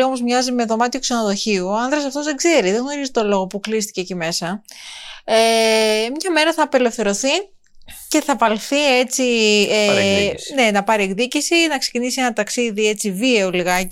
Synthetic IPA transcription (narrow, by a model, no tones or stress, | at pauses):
io̞mo̞zmɲɐzime̞ðo̞mɐt̪iokseno̞ðo̞çiuoɐnðɾesɐft̪o̞zðeɡze̞ɾiðeɣno̞ɾizit̪o̞lo̞ɣo̞puklist̪i̥cecime̞sɐ | emɲɐme̞ɾɐθɐːpe̞le̞fθe̞ɾo̞θi | ce̞θɐvɐlθie̞t͡siene̞nɐpɐɾieɡðicisinɐksecinisienɐt̪ɐksiðie̞t͡sivieoliɣɐci